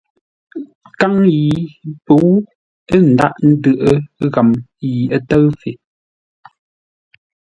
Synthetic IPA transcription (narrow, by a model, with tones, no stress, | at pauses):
ka˦ŋji˨pə˨˦w | ə˦n̩˨da̰˦ʔn̩˦dɯ˦˨ʔə˦ɣa˨mji˨ə˦tə˦ɰfe˨